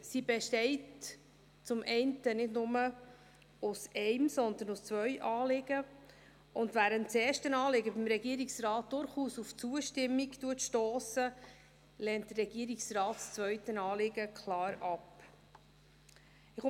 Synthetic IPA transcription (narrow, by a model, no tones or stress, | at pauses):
sibɛʃtɛɪt | t͡sʊmʔɛɪntənɪdnʊmə | ʊsɛɪmsɔnd̪ənʊst͡svœʏʔɑːlɪɡ̥ə | ʊndvæːɾəntt͡seːɾʃtənɑːlɪɡəbimɾɛɡiəɾiksrɑːt̚d̥ʊɾχuːsuft͡suəʃtɪmːiktuətʃtoːsə | lɛːntd̥̪ərːɛɡ̥iəɾiksrɑːtst͡svœɥtənɑːlɪɡəkʰlɑːɾɑp | ɪχ